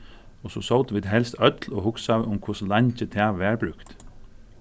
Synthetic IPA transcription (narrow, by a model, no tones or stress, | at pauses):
ɔsɔsowt̪ʋiːd̪ɦɛlst̪œt̪lɔhʊksawʊmkʰʊslɑɲt͡ʃət̪ʰɛːʋɛːɹbɹʉkt̪